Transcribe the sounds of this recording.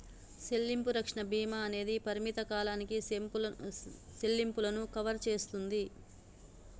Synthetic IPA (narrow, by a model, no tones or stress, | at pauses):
selːimpuɾɐkʂɐɳɐbiːmaːne̞ːd̪ipɐɾimit̪ɐkaːlaːniki | selːimpulɐnukɐʋɐɾt͡ʃe̞ːst̪und̪i